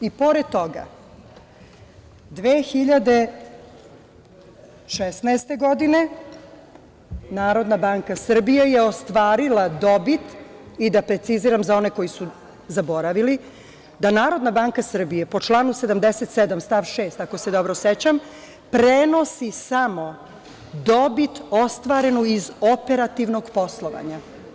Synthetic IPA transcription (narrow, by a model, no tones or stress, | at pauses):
ipo̞ɾed̪̚t̪o̞ɡa̰ | d̪ʋeːxiʎad̪e | ʃesnaest̪e̞ɡo̞d̪ine̞ | naːɾo̞d̪nabaŋkasr̩bijejeo̞st̪ʋaːɾilad̪o̞bit̪id̪apɾe̞t̪siziɾamzao̞ne̞ko̞jisu | zabo̞ɾaʋili | d̪anaːɾo̞d̪nabaːŋkasr̩bije̞po̞t͡ʃlˠaːnuse̞d̪amd̪eset̪sed̪amst̪aʋʃeːst̪ako̞se̞d̪o̞bɾo̞set͡ɕam | pɾeno̞sisamo̞ | d̪o̞bit̪o̞st̪ʋaːɾe̞nuizope̞ɾat̪iʋno̞ɡpo̞slˠo̞ʋa̰ɲa